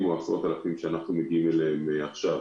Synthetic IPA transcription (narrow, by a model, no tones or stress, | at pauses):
muasʁot̪alafimʃeanaχnumeɡiimeleemeaχʃav